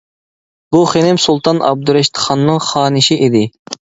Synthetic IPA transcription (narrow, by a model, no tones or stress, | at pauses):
b̥uχenɪmsulˠt̪ʰɑnʔɑ̰b̚d̪uɾɛʃt̪ʰχɑnːɨŋχɑːnɪʃiʔid̪ɪ